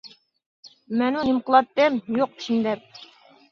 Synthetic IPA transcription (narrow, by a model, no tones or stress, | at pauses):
mɛnunɪmqəlˠɑt̪ːɛmjoq̚pʰi̥ʃind̪ɛp̚